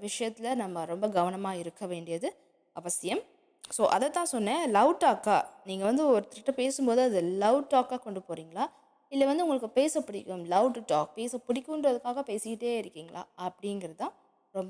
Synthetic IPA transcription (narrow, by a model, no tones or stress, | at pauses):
ʋɪʂɐjɐt̪ːɪlɐnɐmːɐɾɔmbɐɡɐʋɐnɐmaːɪɾɯkːɐʋeːɳɖɪjɐðɯ | ɐʋɐsɪjɐm | soːʔɐðɛt̪ãːsɔnːẽːlɐʊʈːaːkaːniːŋɡɐʋɐnd̪ɯɔɾɯt̪ɪɪʈːɐpeːsɯmpoːðɯɐðɯlɐʊʈʈaːkaːkɔɳɖɯpoːɾiːŋɡɐɭaː | ɪlːɐʋɐnd̪ɯʊŋɡɐɭɯkːɯpeːsɐpʊɽɪkːɯmlɐʊʈːʈɔːk̚peːsɐpʊɽɪkːɯnɾɐðɯkːaːɣɐpeːsɪkɪʈːeːɪɾɯkːiːŋɡɐɭla̰ːɐpːɐɽɪnɡɪɾɐt̪ãː | ɾɔmb